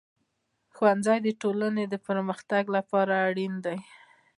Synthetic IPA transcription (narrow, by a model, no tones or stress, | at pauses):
xwanzɑjd̪əʈolaned̪əpəɾməxt̪aɡlapɑɾaːɽind̪aj